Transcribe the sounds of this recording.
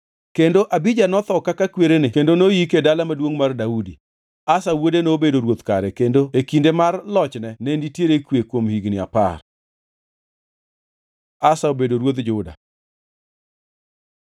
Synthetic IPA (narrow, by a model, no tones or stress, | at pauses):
kendoʔabid͡ʒanɔt̪ɔkakakweɾenɪkendonojikedalamadwoŋmardaudi | asawodenobedoɾwot̪kaɾɛkendoekindemarlɔt͡ʃnɛnɛnditjeɾekwekwomhiɡnɪa̰pa̰r | asaobedoɾwot̪d͡ʒʊda̰